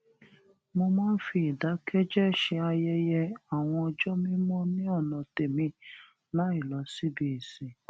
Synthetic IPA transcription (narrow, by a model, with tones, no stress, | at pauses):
mo˧mãː˦n̩˦fi˧˦i˨da˨˦kɛ˦d͡ʒɛ˦ʃɛ˧a˧jɛ˧jɛ˧a˨w̃ɔ̃˧ɔ˧d͡ʒɔ˦mĩ˦mɔ̃˦nĩ˦ɔ˦˨nã˨te˨mĩ˧ | la˨˦i˦˨lɔ˨˧˦si˦bi˧i˨sĩ˨